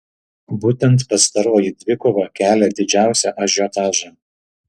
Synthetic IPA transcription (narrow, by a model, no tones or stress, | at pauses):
buːt̪ʲɛnt̪pɐst̪ɐɾoːjid̪ʲʋʲɪkoʋɐkʲæːlʲɛd̪ʲɪd͡ʒʲæˑʊsʲɛʔɐʒʲoːt̪ɑːʒɐ